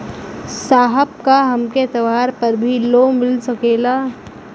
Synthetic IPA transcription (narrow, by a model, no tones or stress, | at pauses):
saːɦəb̚kaɦɐmket̪ɐʋaːɾpɐɾbʱiloːmɪlsɐkeːlaː